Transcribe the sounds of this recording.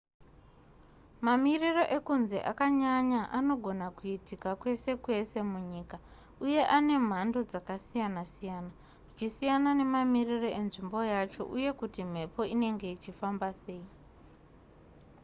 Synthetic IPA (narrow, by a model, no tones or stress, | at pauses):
mamiriro̞ʔe̞kunze̞̰ʔa̰kaɲaɲaʔano̞ɡʱo̞nakuitikakwe̞se̞kwe̞se̞muɲiːka | uje̞ʔane̞m̤ando̞d͡zakasijanasijaːna | ʐit͡ʃisijanane̞mamiriro̞e̞nʐimbo̞jat͡ʃo̞̰ʔuje̞kutim̤e̞po̞ine̞ŋɡe̞it͡ʃifambase̞ːi